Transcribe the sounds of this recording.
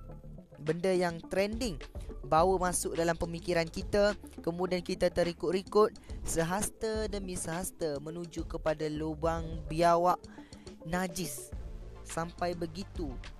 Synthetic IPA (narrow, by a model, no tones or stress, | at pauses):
bəndəjaŋt̪ɾɛndɪŋbawəmãsʊk̚dalampəmikiɾankit̪akəmũdiankit̪at̪əɾikʊʔ̪̚ɾikʊt̪̚səɦast̪ədəmĩsəɦast̪əmə̃nũd͡ʒukəpadalubaŋbiawaʔnad͡ʒɪsː | ampajbəɡit̪u